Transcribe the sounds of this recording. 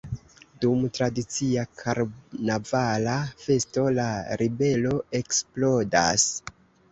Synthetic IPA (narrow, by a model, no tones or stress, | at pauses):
dumtɾadit͡siakʰaɾnavalafe̞sto̞laɾibe̞lo̞e̞ksplo̞da̰s